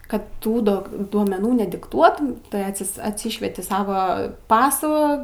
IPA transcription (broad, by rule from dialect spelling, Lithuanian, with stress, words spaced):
ˈkɐt ˈtuː doːk duɔmʲɛˈnuː nʲɛdʲɪkˈtuɔtʊm tɐɪ ɐtʲˈsʲɪs ɐtʲsʲiːʃʲʋʲiɛtʲɪ ˈsɑːʋɐ ˈpɑːsuː